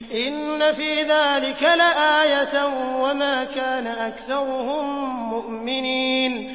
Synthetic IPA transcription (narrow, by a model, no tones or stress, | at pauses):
ʔɪnːafiːðaːlɪkalaʔaːjat̪wamaːkaːnaʔakθɑɾˤʊhʊmːʊʔmɪniːn